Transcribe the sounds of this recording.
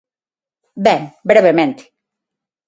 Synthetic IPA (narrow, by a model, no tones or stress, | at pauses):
beŋbɾeβemẽnt̪i̥